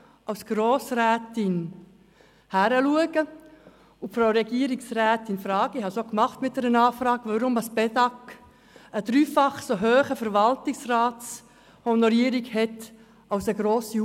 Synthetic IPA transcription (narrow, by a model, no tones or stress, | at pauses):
aʊsɡ̥ɾoːsrɛːtɪn | hæɾəluəɡ̥ə | ufɾoːɾɛɡiːəɾɪksrɛːtɪnfɾɑːɡ̥əihɑsokmɑχtmɪt̚d̥̪ɛɾənɑːfɾɑːɡʋɑɾʊmdɑsb̥ɛdɑk | əd̥ɾyːfɑχsoɦøːχəfəɾvɑltɪksrɑːts | hɔnɔɾiːəɾɪkhɛt | aʊsəɡɾoːsi